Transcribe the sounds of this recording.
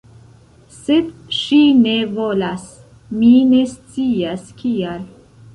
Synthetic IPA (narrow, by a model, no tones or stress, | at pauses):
sed̪ʃine̞volas | mine̞st͡siaskʰial